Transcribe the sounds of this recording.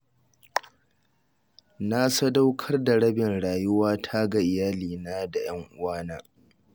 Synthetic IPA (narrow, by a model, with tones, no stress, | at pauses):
na˦sɐ˦da˦wkʰɐ˦rda˨ɽɐ˦bɪ˨nɽaː˨jʊ˦waː˦tʰa˦ɡa˨ʔɪ˨jaː˦liː˨naː˦da˨j̰ɐ˦ŋʔʊ˦waː˦naː˦